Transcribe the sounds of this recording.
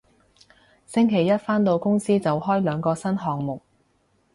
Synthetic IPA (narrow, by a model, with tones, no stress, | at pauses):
sɪ˥ŋkʰe˨˩jɐ˥t̚faː˥nt̪o˧wkʊ˥ŋsiː˥t͡sɐ˨wɦɔː˥jlœː˨˧ŋkɔː˧sɐ˥nɦɔː˨ŋ̚mʊ˨k̚